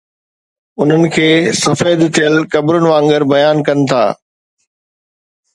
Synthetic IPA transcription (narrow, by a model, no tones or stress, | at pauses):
ʊn̤ənɪ̆kʰeːsɐfeːd̪t̪ʰijəlkɐbɾʊnɪ̆ʋãːŋɡəɾbɐjaːnkɐnɪ̆t̪ʰa̰ː